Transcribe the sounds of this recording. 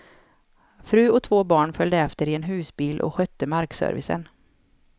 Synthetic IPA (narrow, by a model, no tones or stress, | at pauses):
fɾʉ̟ːɔt̪ʰvoːbɑːɳfœld̪əɛft̪əɾɪɛnɦʉ̟ːsbiːlʔɔ̰ɧœt̪ːəmaɾksœ̰ɾvɪ̰sə̰n